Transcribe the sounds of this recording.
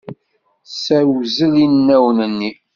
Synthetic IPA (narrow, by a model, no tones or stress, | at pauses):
sæwzəlinnːæwənənːi